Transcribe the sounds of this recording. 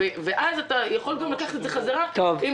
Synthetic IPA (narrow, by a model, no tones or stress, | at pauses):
eveʔazat̪ajaχo̞lɡamlakaχe̥t̪etzeχazaʁat̪ovim